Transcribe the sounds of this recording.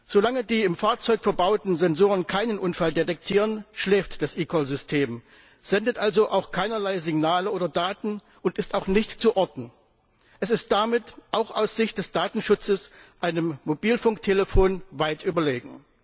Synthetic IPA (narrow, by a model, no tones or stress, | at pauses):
z̥olaŋədiːɪmfaːɐt͡sɔʏkfɛɐbaʊtn̩zɛnzoːʁənkʰaɪnənʔʊnfaldetɛk̚tʰiːʁ̞ənʃlɛːftd̥asʔiːkʰɔlzʏstʰeːm | z̥ɛndətʔalzoʔaʊxkʰaɪnɐlaɪzɪɡnaːləʔoːdɐdaːtn̩ | ʔʊntɪstaʊxnɪçtt͡suʔɔɐdn̩ | ʔɛsɪst̚d̥amɪtʔaʊxʔaʊsz̥ɪçt̚d̥ɛsd̥aːtn̩ʃʊt͡səsʔaɪnəmːobiːlfʊŋk̚tʰeləfoːnvaɪtʔyːbɐleːɡŋ̩